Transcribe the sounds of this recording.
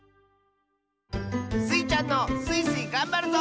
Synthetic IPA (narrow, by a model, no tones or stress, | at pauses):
sit͡ʃanɔsisikambɛɾd̪ɔ